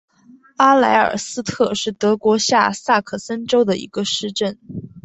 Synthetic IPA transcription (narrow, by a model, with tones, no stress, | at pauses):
a˥la˧˥ɪə̰˞˨˩sɹ̩˥t̪ʰɤ˥˧ʂɻ̩˥˩t̪ɤ˧˥kwɔ˧˥ɕja˥˧sa˥˩kʰɤ˨˩sə˥nʈ͡ʂo˥ʊd̪ə˨ḭ˧˥ɡə˧ʂɻ̩˥˧ʈ͡ʂə˥˩n